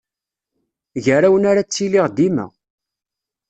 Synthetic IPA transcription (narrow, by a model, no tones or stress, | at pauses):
ʝəɾæwənaɾat͡sːiliʁd̪imæ̰